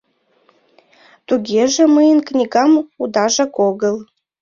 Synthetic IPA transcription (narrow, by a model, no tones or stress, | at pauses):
t̪uɡʲeʒĕməjənknʲiɣɑmud̪ɑʒɑkoɣəl